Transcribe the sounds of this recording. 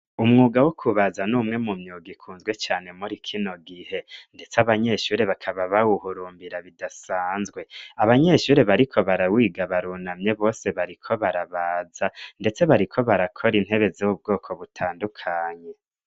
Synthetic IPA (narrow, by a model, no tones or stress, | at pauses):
umŋuːɡawokʰuβazanuːmŋe̞mumɲuːɡikʰuːnzɡwe̞t͡ʃaːne̞muɾikʰino̞ɡihe̞nde̞t͡saβaɲe̞ʃuɾe̞βakʰaβaβawuhuɾuːmbiɾaβidasaːnzɡwe̞aβaɲe̞ʃuːɾe̞βaɾikʰo̞βaɾawiːɡaβaɾunamɲe̞βo̞ːse̞βaɾikʰo̞βaɾaβaːzande̞t͡se̞βaɾikʰo̞βaɾakʰo̞ɾin̥he̞βe̞ziwub̚ɡo̞ːkʰo̞βutʰaːndukʰaːɲe̞